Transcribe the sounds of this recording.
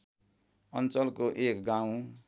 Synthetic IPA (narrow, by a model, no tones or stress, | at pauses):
ʌnt͡sʌlkoʔekɡaw̃